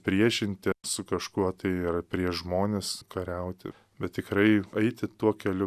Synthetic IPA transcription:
pʲɾʲiɛʃʲɪnʲt̪ʲɪsʊkɐʃkuɔt̪ɐɪɐrpʲɾʲiɛʒmoːnʲeskɐɾʲɛʊt̪ʲɪ̰ | bʲɛt̪ʲt̪ʲɪkɾɐɪɐɪt̪ʲɪt̪uɔkʲɛlʲʊ

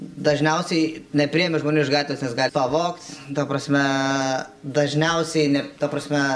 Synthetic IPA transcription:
d̪ɐʒʲnʲɛʊsʲɛɪnʲɛpʲɾʲiːjɛmʲɪʒmoːnʲuːɪʃɡɑːt̪ʲʋʲeːsnʲɛsɡɑːlʲpɐʋoːkt̪t̪ɐpɾɐsʲmʲɛ | d̪ɐʒʲnʲɛʊsʲɛɪnʲɛt̪ɐpɾɐsʲmʲɛ

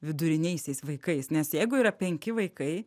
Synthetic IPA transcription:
ʋʲɪd̪ʊɾʲɪnʲɛɪsʲɛɪsʋɐɪkɐɪsnʲɛsjɛɪɡʊiːɾɐpʲɛŋʲkʲɪʋɐɪkɐɪ

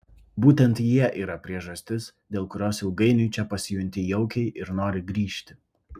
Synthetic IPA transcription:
buːt̪ʲɛnt̪jiɛʔiːɾɐpʲɾʲiɛʒɐsʲt̪ʲɪs | d̪ʲeːlˠkʊɾʲoːsjɛʊɡɐɪnʲʊɪt͡ʃʲɛpɐsʲɪjʊnʲt̪ʲɪjɛʊkʲɛɪʔɪɾnoːɾʲɪɡɾʲiːʃʲt̪ʲɪ

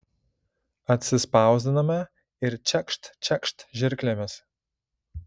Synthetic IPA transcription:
ɐt̪ʲsʲɪspɑˑʊzʲd̪ʲɪnɐmʲɛ | ɪɾt͡ʃʲɛkʃt̪t͡ʃʲɛkʃt̪ʒʲɪɾʲklʲemʲɪs

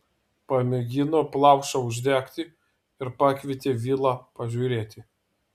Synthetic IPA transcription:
pɐmʲɛɡʲɪnoːplˠɑˑʊʃɐʊʒʲd̪ʲæːkt̪ʲɪ | ɪɾpɑːkʲʋʲɪt̪ʲeːʋʲiːlˠɑːpɐʒʲuːɾʲeːt̪ʲɪ

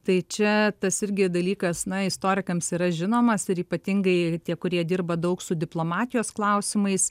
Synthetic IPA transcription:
t̪ɐɪt͡ʃʲɛt̪ɐsɪɾʲɡʲɪd̪ɐlʲiːkɐsnɐɪst̪oːɾʲɪkɐmsiːɾɐʒʲɪnoːmɐsɪɾiːpɐt̪ʲɪŋɡɐɪt̪ʲiɛkʊɾʲiɛd̪ʲɪːrbɐd̪ɐʊksʊd̪ʲɪplˠoːmɑːt̪ʲɪjoːsklˠɐʊsʲɪmɐɪs

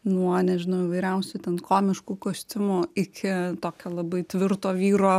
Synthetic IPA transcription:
nuɔɐnʲɛʒʲɪnɐʊɪʋɐɪɾʲɛʊsʲut̪ʲɛnkʰoːmʲɪʃkuːkoːsʲt̪ʲɪmʊɪkʲɪt̪oːkʲoːlˠɐbɐɪt̪ʲʋʲɪrt̪oːʋʲiːɾoː

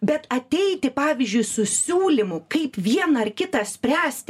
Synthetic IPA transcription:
bʲɛt̪ɐt̪ʲɛɪt̪ʲɪpɑːʋʲɪzʲd͡ʒʲʊɪsʊsʲuːlʲɪmʊkɐɪpʋʲiɛnɐɐrkʲɪt̪ɐsʲpʲɾʲæːsʲt̪ʲ

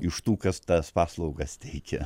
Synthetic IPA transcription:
ɪʃt̪uːkɐst̪ɐspɑːslˠɐʊɡɐst̪ʲɛɪkʲɛ

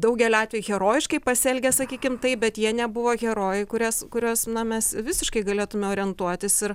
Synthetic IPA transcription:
d̪ɐʊɡʲɛlʲɑːt̪ʲʋʲɛːjuɣʲɛɾoːjɪʃkɐɪpɐsʲɛlʲɡʲɛsɐkʲiːkʲɪmt̪ɐɪp̚bʲɛt̪jiɛnʲɛbʊʋoːɣʲɛɾoːjɛɪkʊɾʲɛːskʊɾʲoːsnɐmʲɛsʋʲɪsʲɪʃkɐɪɡɐlʲeːt̪ʊmʲɛoːɾʲɪɛnt̪uɔt̪ʲɪsɪɾ

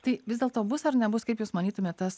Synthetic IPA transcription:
t̪ɐɪʋʲɪzʲdʲeɛlˠt̪oːbʊsɐɾnʲɛbʊskɐɪpjuːsmɐnʲiːt̪ʊmʲeːt̪ʲt̪ɐs

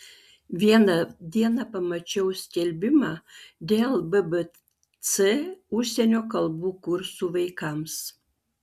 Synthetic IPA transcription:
ʋʲiɛnɐd̪ʲiɛnɐpɐmɐt͡ʃʲɛʊsʲkʲɛlʲbʲɪmɑd̪ʲeːlˠbəbə | t͡sɛuʃsʲenʲoːkɐlˠbuːkuɾsuʋɐɪkɑms

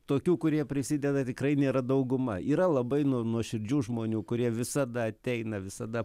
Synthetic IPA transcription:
t̪oːkʲuːkʊɾʲiɛpʲɾʲɪsʲid̪ʲɛd̪ɐt̪ʲɪkɾɐɪnʲeːɾɐd̪ɐʊɡʊmɐ̰iːɾɐlˠɐbɐɪnuɔnuɔʃʲɪɾʲd͡ʒʲuːʒmoːnʲuːkʊɾʲiɛʋʲɪsɐd̪ɐɐt̪ʲɛɪnɐʋʲɪsɐd̪ɐ

